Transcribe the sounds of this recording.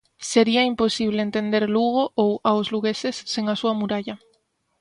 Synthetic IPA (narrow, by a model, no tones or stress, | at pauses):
seɾiɐimposiβleent̪end̪eɾluɣoʔowawzluɣesesːeŋasuɐmuɾaʎɐ